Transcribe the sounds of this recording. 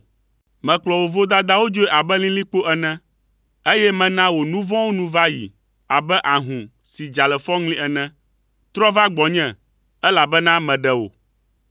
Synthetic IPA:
mɛ̃˨k͡plɔ˨wo˨vo˦d̪a˦d̪a˦wo˦d͡ʒo˦e˦ʔa˨bɛ˦lĩ˦lĩ˦k͡po˦ʔɛ˨nɛ̃˦ | e˦jɛ˦mɛ̃˨nã˦wo˨nũ˦vɔ̃˦wo˦nũ˦va˦jḭ˨ | a˨bɛ˦ʔa˨ɦũ˨ | si˨d͡ʒa˨lɛ˨fɔ˦ŋlĩ˦ɛ˨nɛ̃˦ | t̪ɾɔ˦va˦ɡ͡bɔ˨ɲɛ̃˨ | ɛ˦la˨bɛ˦nã˦mɛ̃˨ɖɛ˨wo̰˨

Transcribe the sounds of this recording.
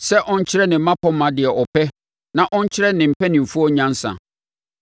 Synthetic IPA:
sɛ˦ʔɔ̃˦ɲ̩˦t͡ɕʰɪ˦ɾɛ˦nɪ̃˨m̩˦mã˦pʰɔ˦mã˨dɪ˨ɛ˨ʔɔ˨pʰɛ˦ | nã˨ʔɔ̃˦ɲ˦t͡ɕʰɪ˦ɾɛ˦nɪ̃˨m̩˨pɛ˦nɪ̃˨m̩˨fu˦ɔ˦ɲã˦n̩˦sã̰˨

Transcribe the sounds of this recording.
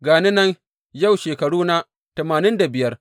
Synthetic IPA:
ɡaː˨ne˦nɐ˦n | ja˦˨wʃeː˨kɐ˨ɽuː˦na˦ | tɐ˨maː˨nɪ˦nda˨bɪ˨jɐ˦r

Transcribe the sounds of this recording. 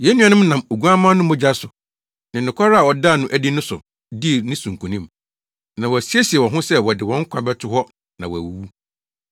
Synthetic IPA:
jɛ˨˦nĩ˦ã˨nʊɪ̃˦m˦nã˨mo˨ɡu˦a˦mã˦nʊ̃˦mʊ̃˦d͡ʑa˦sʊ˨ | nɪ̃˨nɪ̃˨kʷʰa˦ɾa˦a˨wɔ˨da˦˨nʊ̃˦ʔæ˨di˦nʊ̃˦sʊ̰˨ | di˦˨nɪ̃˦sũ˨ŋ˨kʰũ˨nĩ˦m | nã˨wɔ˨æ˨si˦e˦si˨ɛ˨wɔ̃˨ɦʊ̃˦sɛ˦wɔ˨dɪ˨wɔ̃˨˦ŋ̩˦kʷʰã˨bɛ˦tʰʊ˨hɔ˦ | nã˨wɔ˨æ̰˨wu˨˦wu˦

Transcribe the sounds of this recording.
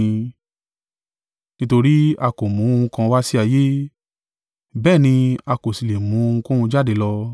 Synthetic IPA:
nĩ˦to˧ɾi˦a˧ko˨mũ˨˦o˧ũ˧kã˧wa˦si˦a˧je˦ | bɛː˦˨nĩ˧a˧ko˨si˨le˨mũ˨˦o˧ũ˧ko˦hũ˧d͡ʒa˦˨de˨˦lɔ˧

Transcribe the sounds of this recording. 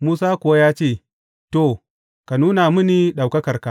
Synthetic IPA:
muː˦saː˦kʷʊ˨wa˦jaː˦t͡ʃeː˦˨ | to˨ | ka˨nuː˦na˨mɪ˦ni˨ɗa˨wkɐ˦kɐ˨rka˨

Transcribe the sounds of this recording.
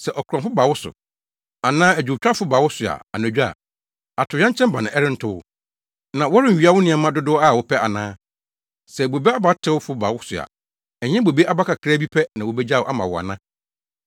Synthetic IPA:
sɛ˨ʔɔ˨kʰɾã˨fʊ˦ba˨wʊ˦sʊ̰˨ | a˨nãː˦æ˨d͡ʑᶣu˨t͡ɕᶣa˦fʊ˦ba˨wʊ˦sʊ˨a̰˨a˨næ̃˨d͡ʑᶣu˦a̰˨ | a˨tʰʊ˨ɲã˦ɲt͡ɕʰɛ̃˦bã˨nʊ̃˨ʔɛ˦ɾɪ̃˦n̩˦tʰʊ˦wʊ̰˦ | nã˨wɔ˦ɾɪ̃˦n̩˨ɥi˦a˦wʊ˦nɪ̃˦ɛ˨mã˦dʊ˦dʊ˦a˦˨wɔ˨˦pʰɛ˦a̰˨nãː˦ | sɛ˨bo˨be˦a˦ba˦tʰɪ˦wʊ˦fʊ˦ba˨wʊ˦sʊ˨a̰˨ | ɛ˨ɲɛ̃˦bo˨be˦ʔa˦ba˦kʰa˨kʰɾæ˦bi˦pʰɛ˦nã˨wɔ˨bɛ˦d͡ʑa˦˨wʔa˦mã˨wɔ˨a̰˨nã˦

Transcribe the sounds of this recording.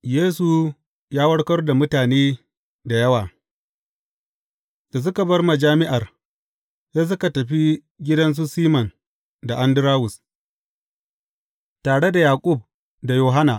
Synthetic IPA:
jeː˦s̬u˨ | jaː˦wɐ˦ɽkɐ˦rda˨mʊ˦taː˨neː˦ | da˨jɐ˦waː˨ | jɐ˨s̬ʊ˦kɐ˨bɐ˦rma˨d͡ʒaː˦mɪ˦ʔa˨r | jaː˦s̬ʊ˦ka˨tɐ˨ɸi˦ | ɡʲɪ˦dɐ˦ns̬u˦siː˦mɐ˨n | da˨ʔa˦ndʊ˦ɾaː˦wʊ˨s | taː˨ɽe˦da˨jaː˨kʷʼʊ˦˨b̚ | da˨joː˨ɦa˦na˨

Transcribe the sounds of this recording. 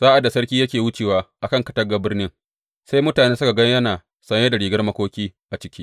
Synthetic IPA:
saː˦ʔa˨dːa˨sɐ˦rkʲiː˦jɐ˦kʲeː˨wʊ˦t͡ʃeː˨waː˦ʔa˨kɐ˦˨ŋkɐ̥˨tɐ˦ɡa˨bɪ˦rnɪ˦ŋ | sa˦jmʊ˦taː˨neː˦sʊ˦ka˨ɡɐ˦jɐ˦naː˨ | sɐ˦ɲjeː˦da˨ɽiː˨ɡɐ˦rmɐ˦kʷoː˦kʲiː˦ʔa˨t͡ʃɪ˦kʲiː˦

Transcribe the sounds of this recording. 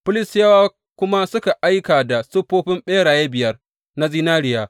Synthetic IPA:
pʊ˦lɪ˨sjɐ˦waː˦ | kʷʊ˦ma˦sʊ˦ka˨ʔa˦jkaː˨da˨sʊ˦ɸːoː˦ɸɪ˦mɓeː˦ɽaː˨je˦bɪ˨jɐ˦r | na˦ziː˦naː˦ɽɪ˦˨jaː˨

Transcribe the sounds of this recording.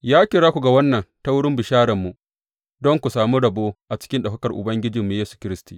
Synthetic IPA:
jaː˦kʲɪ˨ɽaː˦kʷu˨ɡa˨wɐ˦nːɐ˨nta˦wʊ˦ɽɪ˦mbɪ˨ʃaː˦ɽɐ˨mːu˨ | dɔ˦ŋkʷu˨saː˨mu˦ɽɐ˨boː˦ʔa˨t͡ʃɪ̥˦kʲɪ˦nɗɐ˨ɸɐ˦kɐ˨rʔʊ̰˨bɐ˦ŋɡʲɪ˦d͡ʒɪ˨mːu˨˦jeː˦su̥˨kʲɪ˦ɾɪ˦stiː˨ʔ

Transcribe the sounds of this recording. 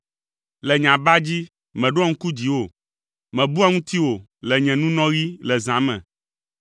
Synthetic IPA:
lɛ˨ɲã˨ba˦d͡ʑi˦ | mɛ̃˨ɖo˦a˦ŋ̩̃˦ku˦d͡ʑi˨wo˦ | mɛ̃˨bu˦a˦ŋũ˦t̪i˦wo˨ | lɛ˨ɲɛ̃˨nũ˦nɔ̃˦ɣi˦lɛ˨zã˨˦mɛ̰̃˨

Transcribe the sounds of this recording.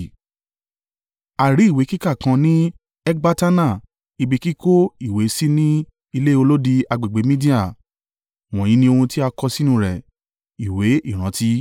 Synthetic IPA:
a˨ɾi˨˦i˦˨we˨˦ki˦ka˦˨kã˧nĩ˦ | ɛ˦ɡ͡ba˦ta˦na˦˨ | i˧bi˧ki˦ko˦i˦˨we˨˦si˦nĩ˦ | i˧le˦o˧lo˦di˧a˧ɡ͡be˨ɡ͡be˨˦mĩ˦di˦a˦˨ | w̃ɔ̃˨j̃ĩ˨˦nĩ˧˦o˧hũ˧ti˦a˧kɔ˧si˦nũ˧ɾɛ˨ | i˨we˨˦ʔi˦˨ɾ̃ã˨˦ti˦

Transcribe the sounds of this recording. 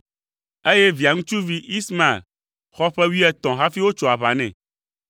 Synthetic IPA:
e˦jɛ˦vi˨a˨ŋũ˦t͡ʃu˦vi˦ʔi˦smã˨ḛ˨l | xɔ˦ɸɛ˦wi˦ɛ˦t̪ɔ̃˨ɦa˦fi˦wo˦t͡ʃɔ˨a˨βa˨nɛ̰̃˨

